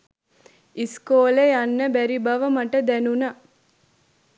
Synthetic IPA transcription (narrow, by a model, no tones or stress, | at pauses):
iskoːlejanːəbæɾibaʋəmaʈəd̪ænuna